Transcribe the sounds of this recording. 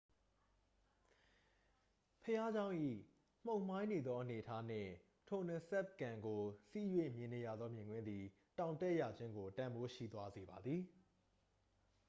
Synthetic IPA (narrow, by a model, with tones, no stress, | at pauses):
pʰəja˦d͡ʑã˦ʊ̃ʔḭ˦˨ | m̥õ˨ʊ̃m̥ã˦ɪ̃ne˨d̪ðɔ˦ʔə˨ne˨ətʰa˦n̥ɪ̰̃˦˨ | tʰo˨nə̃˨sɛ˦p̚kã˨ŋɡo˨si˦˨jwe˦˨mjɪ̃˨ne˨ja˨d̪ðɔ˦mjɪ̃˨ŋɡwɪ̃˦nd̪i˨ | tã˨ʊ̃ntɛ˦ʔja˨d͡ʑɪ̃˦ŋɡo˨tã˨mbo˦ʃḭ˦˨d̪wa˦ze˨ba˨d̪ði˨